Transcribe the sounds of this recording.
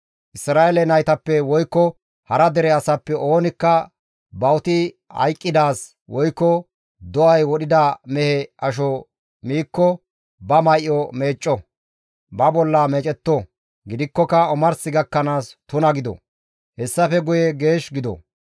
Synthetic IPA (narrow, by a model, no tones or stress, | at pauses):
ʔɪsɾaːelɛnɐjt̪ɐpːɛwɔjkːɔ | hɐɾɐd̪ɛɾɛɐsɐpːɛʔo̞ːnɪkːɐ | bɐwt̪ɪ | hɐ̰jkʼːɪd̪aːs | wɔjkːɔ | d̪ɔʔɐjwɔɗɪd̪ɐmɛhɛʔɐʃ̬ɔ | miːkːɔ | bɐmɐjʔːɔme̞ːt͡ʃʼːɔ | bɐbɔlːɐmɛt͡ʃʼɛt̪ːɔ | ɡɪd̪ɪkːɔkɐɔmɐɾsɪɡɐkːɐnaːst̪ʊnɐɡɪd̪ɔ̰ | hɛsːɐfɛɡʊjɛɡe̞ːʃɡɪd̪ɔ̰